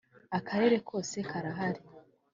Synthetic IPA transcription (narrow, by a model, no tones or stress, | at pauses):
akʰaɾe̞ɾe̞kʰo̞ːse̞kʰaɾaɦaɾi